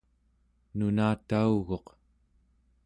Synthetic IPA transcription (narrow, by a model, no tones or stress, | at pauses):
nunaːt̪auɣo̞q